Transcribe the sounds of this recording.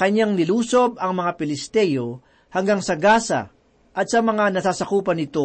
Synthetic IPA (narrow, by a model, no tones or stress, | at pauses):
kɐɲaŋnɪluːsob̚ɐŋmɐŋapɪlɪst̪ɛjo̞ | hɐŋɡaŋsɐɡaːsɐ̰ | ʔɐt̪̚sɐmɐŋanɐsaːsɐkuːpɐnɪt̪o̞